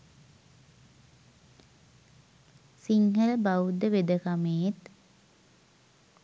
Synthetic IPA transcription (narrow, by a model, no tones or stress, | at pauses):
siŋɦəlbaud̪ːəʋed̪əkameːt̪